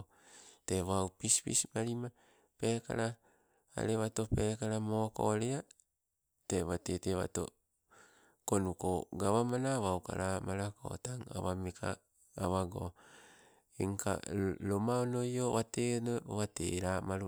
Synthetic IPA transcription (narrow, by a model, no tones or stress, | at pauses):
teβawpispḭsmaɾima | peka̰ɾa | a̰ɾeβatopekaɾamoko̰ɾea | teβateteβa̰to̰ | konukoɡaβamanaβawka̰ɾamaɾako̰taŋa̰βamekʰa̰ː | βaɡo̰ | eŋka̰lomaonojoβatenoowatḛɾamaɾu